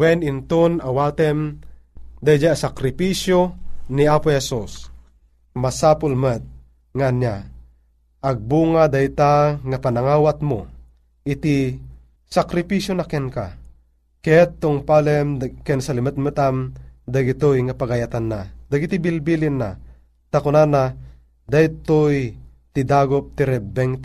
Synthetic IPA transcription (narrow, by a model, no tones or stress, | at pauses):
wɛnɪnt̪onawat̪ɛm | d̪ajd͡ʒasakɾɪpiʃjoniapohɛsus | masapolmət̪̚ | ŋanja | aɡ̚buːŋad̪ajt̪aŋapanaŋaːwat̪mo | it̪i | sakɾipisjonakɛnka̰ | kɛt̪ːoŋpalɛmkɛnsalimət̪̚mət̪amd̪aɡit̪ojŋapaɡajat̪anːad̪aɡit̪ibilbilinːa̰ | t̪akʊnanːa | d̪ajt̪oj | t̪id̪aɡop̚t̪iɾɛbɛŋ